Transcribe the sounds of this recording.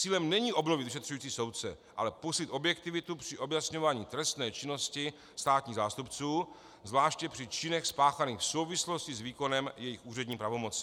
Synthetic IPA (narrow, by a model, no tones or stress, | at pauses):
t͡siːlɛmnɛɲiːʔo̞bnovɪt̪vɪʃɛt̪r̥ujiːt͡siːso̞wt̪̚t͡sɛ | ʔa̰lɛposlɪt̪objɛk̚t̪ɪvɪt̪upr̥ɪʔo̞bjasɲo̞vaːɲiːt̪ɾɛst̪nɛːt͡ʃɪno̞scɪ | st̪aːt̪ɲiːɣzaːst̪upt͡suː | zvlaːʃcɛpr̝̥ɪt͡ʃɪnɛxspaːxaniːxfso̞wvɪslo̞scɪzviːko̞nɛmjɛjɪxʔuːrɛdɲiːpɾavo̞mo̞t͡sɪ̥